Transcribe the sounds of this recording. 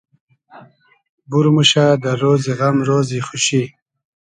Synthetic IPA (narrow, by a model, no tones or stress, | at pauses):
buɾmuɕad̪əɾoːziɣamɾoːziχuɕi